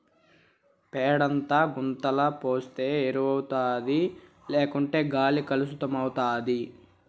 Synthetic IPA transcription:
pɛːɽɐnt̪aːɡunt̪ɐlɐpoːst̪e̞ːeɾuʋɐwut̪aːd̪i | leːkuɳʈe̞ːɡaːlikɐlusut̪ɐmɐwut̪aːd̪i

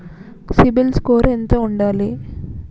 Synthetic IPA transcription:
sibilskoːɾent̪oːuɳɖaːli

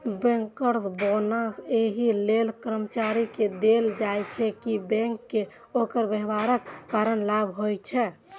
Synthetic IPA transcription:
bɛ̃ŋkəɾsbonəseɦilelkɾəmt͡ʃaɾiked̪eld͡ʒajt͡ʃʰɛkibɛ̃ŋkːe | okəɾbəɦbaɾəkːaɾənlabɦojt͡ʃʰɛ

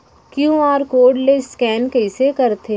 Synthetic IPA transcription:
kjũaːɾkoːɖleskɛːnkɐiɪsekɐɾt̪ʰeː

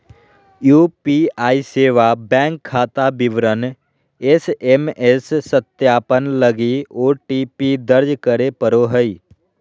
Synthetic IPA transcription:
juːpiaːiseːʋabɛ̃ːŋkʰːaːt̪abɪʋɾən | esemesːət̪jaːpənləɡioːʈiːpid̪əɾd͡ʒkəɾepəɾoɦəi

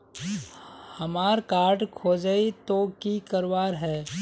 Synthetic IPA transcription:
hɐmaːɾkaːɾʈkʰoːd͡ʒəit̪oːkikəɾwaːɾɦɛː

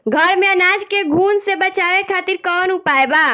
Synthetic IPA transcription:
ɡʱəɾmeənad͡ʒkeɡʱunsebət͡ʃaʋekʰat̪iɾkənupaeba

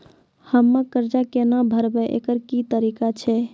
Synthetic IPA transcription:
həmːəkəɾd͡ʒakenabʱəɾbɛʔḛkəɾkit̪əɾikat͡ʃʰɛ

